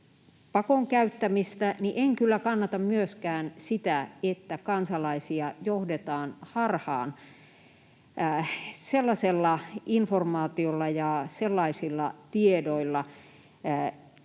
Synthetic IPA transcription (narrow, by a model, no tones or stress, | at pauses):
pɑkoŋkæyt̪ːæmist̪æniʔeŋkylːækɑnːɑt̪ɑmmyøskæːnsit̪æet̪ːækɑnsɑlɑisiɑjohdet̪ɑːnhɑrhɑ̰ːn | selːɑselːɑinformɑːt̪iolːɑjɑselːɑisilːɑ̰t̪iedoilːɑ